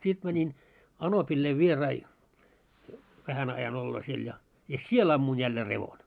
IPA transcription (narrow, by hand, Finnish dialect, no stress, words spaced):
sit mæ nin ɑnopilːei ʋierɑi ʋæhæn ɑjɑn olːoː siel jɑ jɑ siel ɑmːun jælːeː reʋon